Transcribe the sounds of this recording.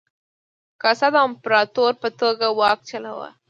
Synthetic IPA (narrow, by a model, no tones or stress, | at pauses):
kasad̪ɑmpɾɑt̪oɾpət̪oɡawɑk̚t͡ʃala̰wa̰